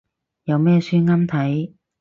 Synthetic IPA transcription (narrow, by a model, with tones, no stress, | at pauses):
jɐ˨˧wmɛː˥syː˥ŋaː˥mt̪ʰɐ˨˥j